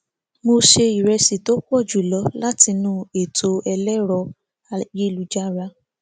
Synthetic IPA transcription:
mo˧ʃe˧i˨ɾɛ˧si˨to˨˦k͡pɔ˦˨d͡ʒu˨lɔ˨˦la˦ti˧nũ˦e˨tʰo˧ɛ˧lɛ˦ɾɔ˧ | je˦lu˨˦d͡ʒa˦ɾa˧

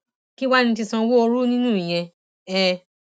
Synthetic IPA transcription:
ki˦wa˦nĩ˧t̬i˧sɔ̃˧wo˦o˧ɾu˦nĩ˦nũ˦˨i˨j̃ɛ̃˧ | ɛ̃˧˨

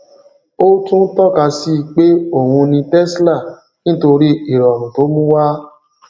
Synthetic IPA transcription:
o˦tũ˦n̩˦tɔ˦˨ka˧si˦˧k͡pe˦o˦˨hũ˧nĩ˧tɛ˦sla˦˨ | nĩ˦to˧ɾi˦i˦˨ɾɔ˨ɾ̃ũ˨to˨˦mũ˦wa˦

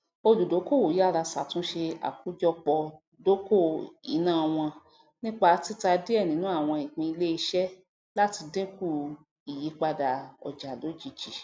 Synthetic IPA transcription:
o˧lu˨do˨˦ko˦˨wo˨ji˦a˦˨ɾa˧sa˨tũ˨˦ʃe˧a̰˨ku˨˦d͡ʒɔ˧k͡pɔ˧ | do˦ko˦˨ḭ˨˦nãː˦˨˧w̃ɔ̃˧ | nĩ˦k͡pa˧˦˧ti˦ta˧de˦ɛ˦˨nĩ˨˦nũ˨˦a˦˨w̃ɔ̃˧i˨k͡pĩ˧i˧le˦i˧ʃɛ˦ | la˦ti˧dẽ˦ku˦˨ | i˨ji˨˦k͡pa˧da˨ɔ̰˨d͡ʒa˨lo˨˦d͡ʒi˨˧d͡ʒi˨

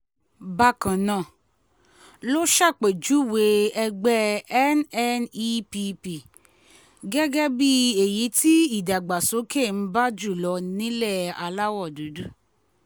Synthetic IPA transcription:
ba˧kã˨nã˨˦˨ | lo˦ʃa˦˨k͡pe˨d͡ʒu˨˦˨we˧˦ɛ˧ɡ͡bɛ˦ɛ˦nɛ˦ni˦pi˧pi˨ | ɡɛ˦ɡɛ˦bi˦e˨ji˨˦ti˦i˦˨da˨ɡ͡ba˨so˨˦ke˦˨n̩˦ba˦d͡ʒu˦˨lɔ˧nĩ˦lɛ˦˨a˧la˦wɔ˦˨du˨˦du˦

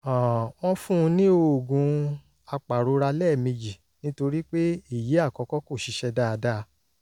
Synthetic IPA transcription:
ã˨w̃ɔ̃˦fũ˦˧nĩ˦o˧˨ɡũ˧ | a˧k͡pa˨ɾo˨˧ɾa˧lɛ˦˨mĩ˧d͡ʒi˨ | nĩ˦to˧ɾi˦k͡pe˦i˦˨ji˨˦a˦˨kɔ˧kɔ˦ko˦˨ʃi˨˦ʃɛ˧da˦a˧da˦˧

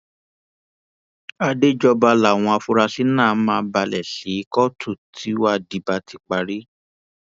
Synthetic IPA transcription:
a˧de˦d͡ʒɔ˧ba˧la˨w̃ɔ̃˧a˧fu˦ɾa˧si˦nã˦˨˦mãː˦ba˧lɛ˨ʃi˨˦i˦kɔ˦tʰu˦˨tʰi˨˦wa˦di˨ba˧tʰi˧k͡pa˧ɾi˦

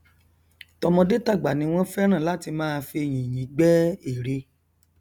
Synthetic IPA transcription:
tɔ˧mɔ̃˧de˦ta˦˨ɡ͡ba˨nĩ˧˦w̃ɔ̃˦fɛ˦ɾ̃ã˦˨la˦ti˧mãː˦˧fi˧e˧˨j̃ĩ˨j̃ĩ˨˦ɡ͡bɛ˦i˦˨ɾe˧˦

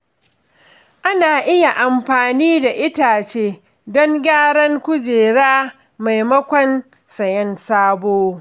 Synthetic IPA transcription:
ʔa˦naː˨ʔɪ˦ja˨ʔa˨mɸaː˨niː˦da˨ʔɪ˦taː˨t͡ʃeː˦ | dɔ˦ŋɡʲaː˦ɽɐ˦ŋkʷʊ˦d͡ʒeː˨ɽaː˦ | ma˨jmɐ˦kʷɔ˦n | sɐ˨jɐ˦nsaː˦boː˦

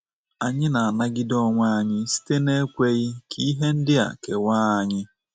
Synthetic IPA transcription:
a˨ɲɪ˦na˨a˨na˦ɡɪ˦dɔ˦ŋʷa˦˨˦ɲɪ˦si̥˦te˦ne˦kʷe˦ɣɪ˦kʰi˦i˦ɦe˦n̩˦dɪ˦a̰˨ke˨wa˦a˨ɲɪ˦

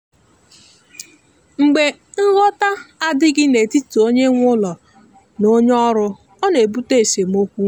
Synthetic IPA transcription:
ŋ͡m̩˨ɡ͡be˨ŋ̩˦ɣɔ˦ta˦a˦dɪ˦ɡɪ˦ne˨ti˦tu˨o˦ɲe˦ŋʷʊ˦lɔ˨ | no˦ɲ˦ɔ˦ɾʊ˦ | ɔ˦ne˨bu˦te˦e˨se˨m̩˦o˦kʷu˦

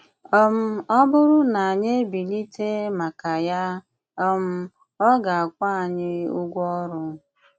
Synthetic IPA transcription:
ɔ˦m̩˦ɔ˦bʊ˦ɾʊ˦na˨a˨ɲe˦bi˨ni˦tʰe˦ma˨ka˨ja˦ | ɔ˦m̩˦ | ɔ˦ɡa˨a˨kʷa˦a˨ɲɪ˦u˦ɡʷɔ˦ɾʊ˦

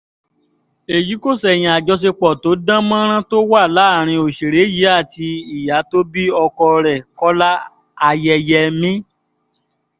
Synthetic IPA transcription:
e˨ji˨˦ko˦˨sɛ˨j̃ĩ˨a˨d͡ʒɔ˧s̬e˧k͡pɔ˨to˨˦dã˦mã˦ɾ̃ã˦to˦wa˦˨la˨˦˨ɾ̃ĩ˧o˨ʃe˨ɾe˨˦ji˨˦a˦˨ti˧i˨ja˨˦to˦bi˦ɔ˧kɔ˧ɾɛ˨kɔ˦la˦ | a˧jɛ˧jɛ˧mĩ˦

